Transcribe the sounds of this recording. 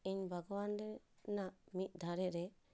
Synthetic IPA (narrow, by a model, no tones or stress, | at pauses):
iɲbʱaɡɔwanɾɛnaʔmit̪̚ˀd̪ʱaɾɛɾɛ